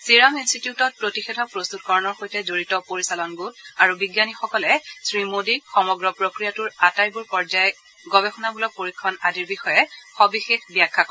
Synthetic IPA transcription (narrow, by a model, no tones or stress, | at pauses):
siɹaminstitjutɔt̚pɹotixetʰɔpɹost̪utkɔɹɔnɔɹxojtɛzoɹitɔpoɹisalɔnɡulaɹubiɡjanixɔkɔlɛsɹimodixɔmɔɡɹɔpɹokɹijatuɹatajbuɹpɔɹzajɛ | ɡɔbɛxɔnabulɔk̚poɹikʰːɔnadiɹbixɔjɛxɔbixexbjakʰːakɔ